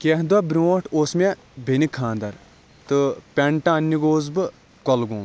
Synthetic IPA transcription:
kʲeɦd̪ɐbɾʲoːʈʰoːsmʲe | bʱenʲikʰːãːnd̪ɐɾ | t̪ɨpʲeɳʈaɐnʲːiɡoːzbɨ | kɔlɡoːm

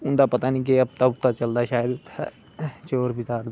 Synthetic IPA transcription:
ʊnd̪apət̪aːnĩːk̬eɐb̚t̪aʊt̪ːat͡ʃəld̪aʃaːjəd̪ʊt̪ʰːa̰ | t͡ʃoːɾbɪt̪aːɾd̪

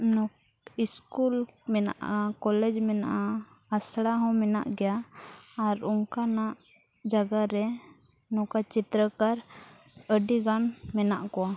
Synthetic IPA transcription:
nɔ | iskulmɛna̰ʔakɔlɛd͡ʒmɛnaʔa | asɽaɦɔ̃mɛna̰ʔɡɛjaː | ɾuŋkanaʔ | d͡ʒaɡaɾɛ | nɔkat͡ʃit̪ɾəkaɾ | əɖiɡanmɛnaʔkɔwa

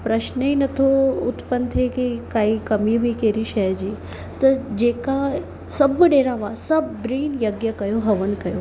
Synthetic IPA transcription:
pɾəʃnəinɐt̪ʰout̪pənt̪ʰekikaːikɐmiʋikeɾiʃɛd͡ʒiː | t̪ɐd͡ʒeka | səbəɖeːɾaʋasɐbbɾiːnjɐɡjəkɐjoɦɐʋənkɐjo

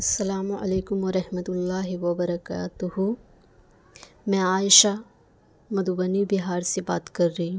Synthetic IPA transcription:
ɐsːɐlaːmuʔɐ̰leːkʊmʋɐɾɐhmɐt̪ulːaːɦiʋɐbɐɾɐka̰ːt̪uɦu | mɛ̃aːjʃa | mɐd̪ubɐnibiɦaːɾseba̰ːt̪kɐɾːɐɦũ

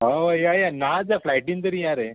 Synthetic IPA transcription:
ɦoʋəjajanad͡zaflajʈĩnt̪əɾijaɾe

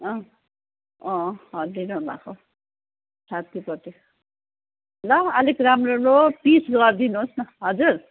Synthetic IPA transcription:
ʌ̃ | ʌ̃ɦʌɾd̪inobʱa̰kʰo | sat̪ʰipʌt̪i | lʌʌlikramroɾopisɡʌrd̪inuɦosnʌɦʌd͡zur

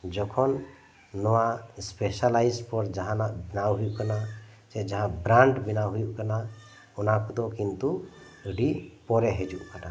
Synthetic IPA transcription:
d͡ʒɔkʰɔnː | ɔwaspɛsalajspɔɾd͡ʒaɦãnaʔbinawɦujuʔkana | sɛd͡ʒaɦãbɾaɳɖbinawɦujuʔkana | ɔnakud̪ɔkint̪u | ɖipɔɾɛɦɛd͡ʒuʔkana

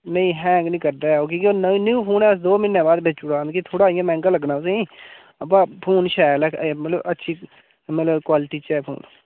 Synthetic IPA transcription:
nəĩːɦɛ̃ːŋɡnĩːkəɾd̪aːoːk̬õːkoːnnũːpʰoːnɛːəsd̪oːmɪnːɛ̃ːbaːd̪̚bet͡ʃʊɽaːkit̪ʰoːɽaːɪjãːmɛ̃ːŋɡələɡnaːʊs̬eĩː | əp̬ːãːpʰoːnʃɛːlɛːemət̪ləbətːʃʰiː | mət̪ləbkwaːlʈiːt͡ʃɛːpʰo̰ːn

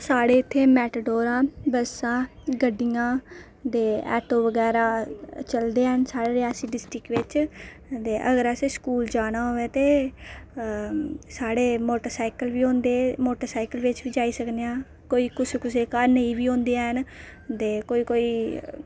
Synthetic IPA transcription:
saːɽeːɪt̪ʰːeːmɛːʈəɖoːɾãːbəsãːɡəɖijãː | d̪eːɛ̰ːʈoːʋəɡɛːɾaːt͡ʃəld̪eːɦənsaːɽeːɾɪaːsiːɖɪsʈɾɪkʋɪt͡ʃ | d̪eːʔə̰ɡəɾəseskuːld͡ʒaːɽ̃aːɦoːeːt̪eː | saːɽeːmoːʈəɾsaːɪkəlʋiːõːnd̪eːmoːʈəɾsaːɪkəlʋɪt͡ʃʋiːd͡ʒaːiːsəkd̪ejãː | koːiːkʊskʊseːkaɾnəiːʋiːõːnd̪eaːɦən | d̪eːkoːiːkoːiː

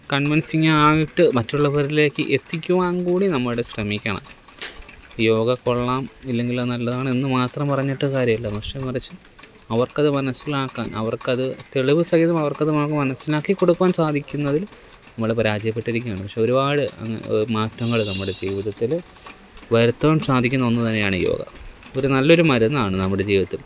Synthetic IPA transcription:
kɐɳʋinsiŋːɐaːjiʈːɨmɐtːuɭːɐpɐɾile̞ːkːɨ̰ʔet̪ːikʲːuʋaːnkuːɽinɐmːɐɭuɽeɕrɐmikʲːɐɳɐ̰m | jo̞ːɡɐkːo̞ɭːaːmilːe̞ŋɡilonɐlːɐðaːɳɨinːɨmaːt̪rɐmpɐrɐɲːeʈːɨkaːɾjɐmilːɐpɐkʂekurɐt͡ɕːɨ | ɐʋɐrkɐðɨmɐnɐsːilaːkːa̰ːnɐ̰ʋɐrkɐðɨt̪e̞ɭiʋɨsɐɣiðɐmɐʋɐrkɐðɨmaːkːɨmɐnɐsːilaːkːikːo̞ɽukːuʋaːnsaːd̪ʱikʲːunːɐðil | nɐmːɐɭepɐɾaːd͡ʑjɐpːe̞ʈːiɾikʲːujaːɳɨpɐkʂe̞o̞ɾubaːɽɨɐ̰ŋ̰ːmaːtːɐŋːɐɭnɐmːuɽe̞d͡ʑiːʋiðɐt̪ːil | ʋɐɾut̪ːɐʋaːmsaːd̪ʱikʲːunːɐʋonːɐɨt̪ɐnːejaːɳɨjo̰ːɡɐ̰o̞ɾunɐlːɐo̞ɾumɐɾunːaːɳɨnɐmːuɽe̞d͡ʑiːʋɐt̪ːil

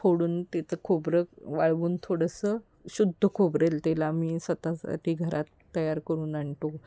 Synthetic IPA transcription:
oɽuːnt̪et͡səkʰobɾəʋaɭʋuːnt̪ʰoɽəsə | ɕud̪ʱːəkʰobɾelt̪elamiːsət̪asa̰ʈʰiːɡʱəɾʔat̪ːəjaɾkəɾuːnaɳʈ̪o

